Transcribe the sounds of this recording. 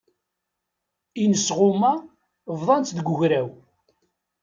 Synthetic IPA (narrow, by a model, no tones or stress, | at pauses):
inəsʁʊma | vðˤɑnt̪ðəɡʷʊʝɾæw